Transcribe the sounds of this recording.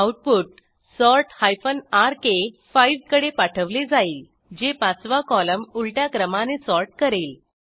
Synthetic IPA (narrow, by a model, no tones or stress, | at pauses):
awʈ̚puːʈ̚ | sɔɾʈhajfənaɾkefaijʋkəɽepaʈʰəʋled͡zaiːl | d͡ʑepat͡sʋakɔləmulʈjakɾəmãnesɔɾʈ̚kəɾel